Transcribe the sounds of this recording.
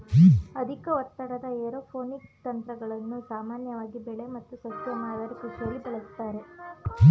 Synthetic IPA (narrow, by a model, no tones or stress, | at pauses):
ɐd̪ʱikɐʋɔt̪ːɐɽɐd̪ɐeːɾoːpʰoːnikt̪ɐnt̪ɾɐɡɐɭɐnːusaːmaːnjɐʋaːɡibɛɭe̞mɐt̪ːusɐsjɐnaːɡɐɾikuʂɐlːibɐɭɐst̪aːɾe̞